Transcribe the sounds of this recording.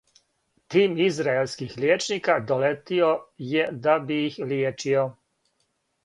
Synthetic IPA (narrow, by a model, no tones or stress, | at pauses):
t̪iːmizɾaelskixljeːt͡ʃnikad̪olet̪iojɛd̪abiixljeːt͡ʃio